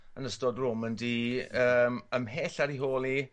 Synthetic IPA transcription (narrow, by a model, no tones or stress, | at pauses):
ənəstɔdrʊməndiəːməmɦeːɬaɾiɦoːlˠi